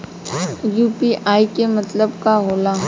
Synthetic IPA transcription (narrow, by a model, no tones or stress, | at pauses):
juːpiʔaːikemɐt̪ləbkaɦoːlaː